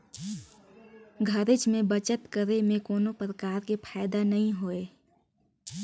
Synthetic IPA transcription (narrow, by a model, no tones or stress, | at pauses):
ɡʱəɾɪt͡ʃmẽbət͡ʃət̪kəɾemẽkoːnopɾəkaːɾkepʰaːɪd̪anɐɦĩɦoːeː